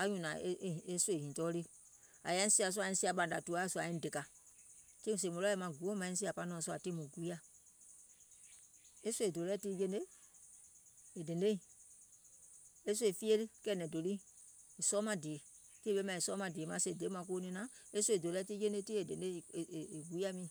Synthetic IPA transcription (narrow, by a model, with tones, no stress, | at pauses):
a˦ɲũ˨nã˨˦˨e˦swe˦˨hĩ˨tɔː˦li˦a̰˨ja˧˦ĩ˦si˦a˨s̬u˦a˨ĩ˧˦si˦a˨ɓã˨n˨da˨tu˦a˦˨su˦a˨ĩ˦de˨ka˨ | ti˦ũ˨s̬e˨mõ˨lɔ˦ɛ˨mã˨ɡu˨o˦mã˨ĩ˦s̬i˦a˨pa˦nɔ̃ː˨su˦a˨ti˦mũ˨ɡu˦i˦a˦ | e˦sʷe˨do˨lɛ˦tiː˦je˧nde˦ | e˨de˨nde˦ĩ˨ | e˦s̬u˦e˨fi˦e˦lɨ˦kɛ˧˨nɛ̃˨do˨li˦e˨sɔː˦mã˧de˨e˨ti˦ɓe˦mã˧˨i˨sɔː˦mã˧˨de˨˦mã˨˦se˧˨de˨˦mã˨k̬oː˦nĩ˧nã˨˦e˦sʷu˦˧e˨do˨lɛ˦ti˦d͡ʒe˦nde˦ti˦e˨de˨nde˦˨e˨e˨ɡu˨˦i˦a˦mĩ˨